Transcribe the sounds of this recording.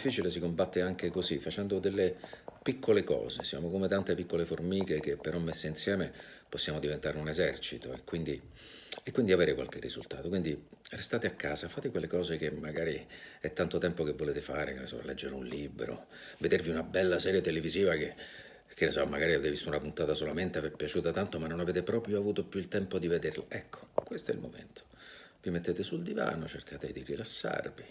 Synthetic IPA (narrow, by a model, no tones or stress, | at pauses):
d̪ifːiːt͡ʃiles̬ikombat̪ːeaŋk̟ekozifːat͡ʃɛnd̪od̪elːepikʰːolekɔ̰ːzesja̰ːmokomet̪ant̪epikːoleformiːkek̟epːeɾɔmːesːeinsjɛːmeposːjaːmod̪ivent̪aːɾeunezɛrt͡ʃit̪o̰ḛkːwind̪i | ekːwind̪iaveːɾekwa̰lk̟erːḭzṵlt̪a̰ːt̪okwind̪i | rest̪aːt̪eakːaːzafaːt̪ekwelːekɔːzek̟emːaɡaːɾiɛt̪ːant̪ot̪ɛmpokevːoleːt̪efaːɾḛkenasɔ̰lɛd͡ʒːeɾunlibɾo̰ | ved̪erviunabɛlːasɛːɾjet̪eleviziːvake | k̟enasɔmːaɡaːɾived̪evist̪unapunt̪aːt̪asolament̪eavɛpːjat͡ʃuːt̪at̪ant̪omanːonaveːt̪epɾɔːpɾjoavuːt̪opjuilt̪ɛmpod̪ived̪erla̰ʔɛkʰːo̥kwest̪oɛ̰lmo̰mḛnt̪ʰo̥ | vimet̪ːet̪esuld̪iva̰ːno̰t͡ʃerkʰaːt̪ed̪irilasːa̰rvi